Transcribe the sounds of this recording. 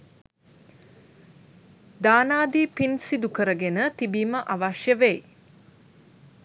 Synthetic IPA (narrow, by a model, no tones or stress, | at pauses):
d̪aːnaːd̪iːpinsid̪ukəɾəɡenət̪ibiːməʔaʋaʃjəʋej